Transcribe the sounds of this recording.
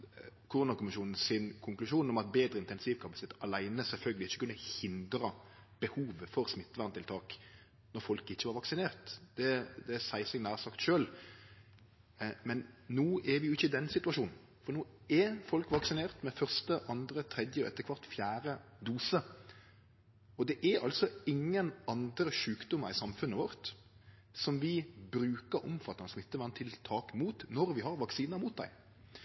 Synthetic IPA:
kʰʊɾʉnɑkʊmɪʃuːnn̩sɪnkʰʊŋklʉʃuːnɔmɑt̪̚beːd̪ɾəɪnt̪ɛnsiːʋkʰɑpɑsɪ̥t̪ʰeːt̪ɑlæɪnəsɛlfœlɡəlɪɪçːə̥kʉnːəhɪnd̪ɾə | b̥əhuːʋəfɔɾsmɪt̪ːʋæʁnt̪ʰɪlt̪ʰɑːk | nɔɾfɔlkɪçːəʋɑɾʋɑksɪneːʁt̪d̪ɛd̪ɛsæɪsɛɡnæːʁsɑkt̪ʃøːl | mɛnːuːʔɛɾʋɪjʊɪçːəɪd̪ɛnsɪt̪ʉɑʂuːnn̩ | fɔɾnuː | ɛfɔlkʋɑksɪneːɾt̪mɛfœɾst̪əʔɑnd̪ɾət̪ʰɾɛd̪jəɔ̰ɛ̰t̪ːəkʰʋɑɾt̪fjæːɾəd̪uːsə | ɔd̪ɛʔɛɾɑ̰lsɔɪŋːənɑnd̪ɾəʂʉːkd̪ʊmɑɾɪsɑmfʉnːəʋɔɾt̪ | sɔmʋɪbɾʉːkəɾʊmfɑt̪ːɑnsmɪt̪ːəʋɑnt̪ʰɪlt̪ʰɑːkmuːt̪nɔɾʋɪɦɑɾʋɑksiːnɑmuːt̪̚d̪æ̰ɪ

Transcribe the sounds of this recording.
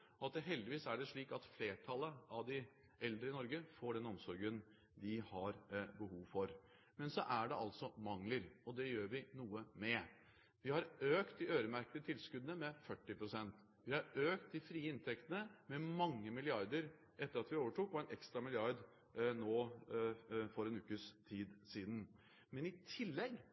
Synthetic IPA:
ɔɑt̪̚d̪ɛɦɛld̪ɪʋiːsæɖɛʂɭiːkɑt̪fleːʈʰɑləɑʋd̪ɪ | ʔɛld̪ɾəɪnɔɾɡəfoːɖɛnɔmsɔɾɡən | d̪ɪhɑɾbəhuːʋfɔɾ | mɛnsɔʔæɖɛʔɑlsɔmɑŋləɾɔd̪ɛjøːɾʋɪnuːəmɛ | ʋɪhɑɾøːkt̪ɪʔøːɾəmæɾkəd̪ət̪ʰɪlskʉd̪nəmɛfœʈːɪpɾʊsɛnt̪ | ʋɪhɑɾøːkt̪̚ɪfɾiːəɪnt̪ʰɛkt̪ənəmɛmɑŋːəmɪlɪɑɾd̪əɾ | ʔɛt̪ːəɾɑt̪ʋɪoːʋəʈuːkʋɑɛnɛkst̪ɾɑmɪlɪɑɾd̪ | noː | fɔɾɛnʉːkəst̪ʰiːd̪siːd̪n̩ | mɛnɪt̪ʰɪlːɛɡ

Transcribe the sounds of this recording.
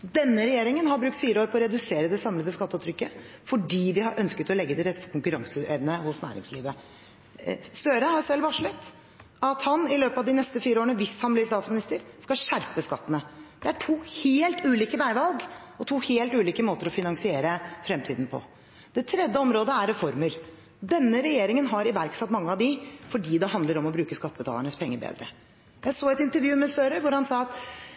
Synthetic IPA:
d̪ɛnːəɾɛjeːɾɪŋənhɑɾbɾʉk̚t̪fiːɾəoːɾpʰɔːɾɛd̪ʉseːɾəd̪ɛsɑmləd̪əskɑt̪ːʉːt̪ʰːɾʏkːə | fɔɖiːʋɪhɑɾʔœnskət̪ɔlɛɡːəd̪ɛɾɛt̪ːpʰɔkʊŋkʉɾɑŋsəʔɛʋnəhʊsnæ̰ːɾɪ̰ŋslḭːʋə | st̪œɾəhɑɾsɛlːʋɑʂɭət̪ː | ɑt̪hɑnɪløːpɑʋd̪ɪnɛst̪əfiːɾəoːɾɳəʋɪshɑnblɪst̪ɑːt̪smɪnɪst̪əɾskɑʂæɾpəskɑt̪ːənəd̪̥ɛæʈʰuːheːlt̪ʉːliːkəʋæɪʋɑlɡɔt̪ʰuːheːlt̪ʉːliːkəmoːt̪əɾɔfɪnɑŋsɪeːɾəfɾɛmt̪ʰiːd̪n̩pʰɔ̰ | d̪̥ɛt̪ʰɾɛd̪jəɔmɾoːd̪əæɾːɛfɔɾməɾ | ɔd̪ɛnːəɾɛjeːɾɪŋənɦɑɾɪʋæɾksɛt̪mɑŋːəɑʋd̪ɪfɔɖiːd̪ɛhɑnd̪ləɾɔmɔbɾʉːkəskɑt̪ːəbət̪ʰɑ̰ləɳəspʰɛŋːəbḛːd̪ɾə̰ | jæɪsoːɛt̪ɪnt̪əɾjʉːmɛsøːɾəʋʊɾhɑnsɑːɑt̪

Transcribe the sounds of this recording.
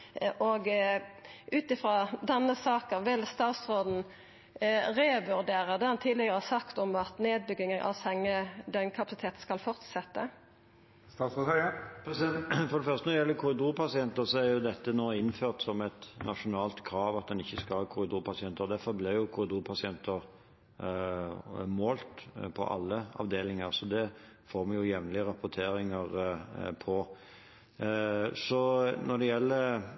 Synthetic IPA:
ʔɔɡ | ʔʉːt̪ɪfɾɑːd̪ɛnːəsɑːkəʋɪlst̪ɑːt̪sʁoːd̪n̩ | ɾɛʋʉɾd̪eːɾəd̪ɛːhɑnt̪ʰiːd̪lɪɡəʁəhɑsɑkt̪ɔmɑt̪neːd̪̚bʏɡɪŋənʔɑ̰ʋsɛŋːəd̪œʏnkʰɑpɑsɪt̪ʰeːt̪skɑlfɔʁt̪sɛt̪ːə | st̪ɑːsopsɛfɔɾd̪ɛfœʁst̪ənɔɾjɛlːəkʰʊɾɪd̪uːɾpʰɑsɪɛnt̪əsɔæɾjʊd̪ɛt̪ːənoːɪnføːʁt̪sɔmɛt̪nʔɑʂʊnɑːlt̪kʰɾɑːʋɑt̪̚d̪ɛnɪçːəskɑkʰʊɾɪd̪uːɾpʰɑsɪɛnt̪əɾɔd̪æɾfɔɾblɪjʊkʰʊɾɪd̪uːɾpʰɑsɪɛnt̪əɾ | moːlt̪pʰɔ̰ʔɑ̰lːəɑ̰ʋd̪eːlɪŋəɾsɔd̪ɛfoːɾmɑnjʊjɛʋnlɪəɾɑpʊt̪ʰeːɾɪŋəɾpʰɔ | sɔnɔd̪ɛjɛlːəɾ

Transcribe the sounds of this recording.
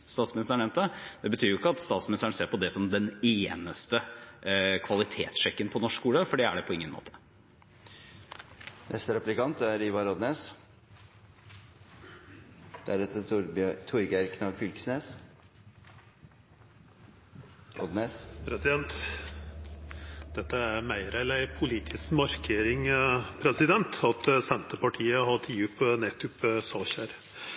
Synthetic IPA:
st̪ɑːt̪smɪnɪst̪əɳɛmnt̪d̪ɛd̪̥ɛbət̪ʰyːɾjʊɪkːəɑt̪st̪ɑːt̪smɪnɪst̪əɳ̩seːɾpɔd̪ɛsɔmd̪ɛneːnəst̪ə | kʰʋɑlɪt̪ʰeːt̪sʂɛkːənpʰɔnɔʂkkuːləfɔɖɛæ̰ɖɛpʰɔɪŋːənmo̰ːt̪ʰə̥ | nʔɛ̰st̪əɾɛplɪkɑnt̪æɾiːʋɑɾɔd̪neːs | d̪̥æɾɛt̪ʰət̪ʰʊɾɡæɾkʰnɑːɡfʏlksneːs | ɔ̰d̪neːspʰɾɛsɪd̪ɛnt̪ | d̪ɛt̪ːəæɾmæɪɾɛlæɪpʰʊliːt̪ʰɪskmɑɾkʰeːɾɪŋpʰɾɛsɪd̪ɛnt̪ɑt̪sɛnt̪əpɑʈʰiːəhɑʈ̪ʰiːʉpnet̪ʉpsɑːçæɾ

